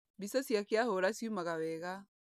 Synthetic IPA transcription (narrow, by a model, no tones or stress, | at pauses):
bisasjakjahɔɾasjumaɣawɛɣa